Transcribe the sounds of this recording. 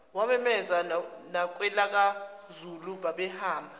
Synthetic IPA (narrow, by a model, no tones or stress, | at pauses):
wamɛmɛzanak̬ʼwɛlak̬a | zulubaɓɛhaːmbʱa